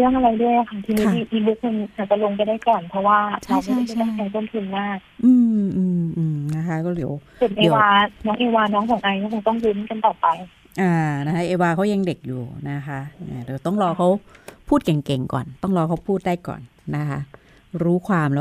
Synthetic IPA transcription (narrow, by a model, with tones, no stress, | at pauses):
lɯ˥˩əŋʔa˧ɾa˧jdu˥˩əja˨˧kʰa˧˥˩t̪ʰi˧niː˦˧˩i˧˩t̪ʰiː˧bu˧˦˥k̚ma˧nʔaː˨˩t͡ɕa˨˩lo˧ŋp̬a˧jdaː˥˩jkɔː˨˩npʰɔ˧˥waː˥˩t͡ɕʰa˧˦˥ɔ˥˩a˧˩t̪a˥˩kʰɛː˧ŋt̪o˥˩nt̪ʰu˧nmaː˥˩k̚ʔɯː˧mʔɯː˧mʔɯː˧mna˦˥kʰa˦˥kɔː˥˩liː˨˩˦w | su˨˩˦nʔeː˨˦waː˧nɔː˦˥ŋʔeː˧waː˧nɔː˦˥ŋkʰɔː˨˦ŋʔa˧jkɔː˥˩kʰo˧ŋt̪ɔ˥˩ŋju˧˦˥nka˧nt̪ɔː˨˩pa˧j | ʔaː˧˩na˦˥kʰa˦˥ʔeː˧waː˧kʰa˦˥wje˧ŋde˨˩k̚juː˨˩na˦˥kʰa˦˥ʔaː˧˩di˩˦wt̪ɔ˥˩ŋɾɔː˧kʰa˦˥wpʰuː˥˩t̪̚kɛ˨˩ŋke˨˩ŋkɔ̰ː˨˩nt̪ɔ˥˩ŋɾɔː˧kʰa˦˥wpʰuː˥˩t̪̚daː˥˩jkɔ̰ː˨˩nːa˦˥kʰa˦˥ʔ | ɾuː˦˥kʰwaː˧mlɛː˦˥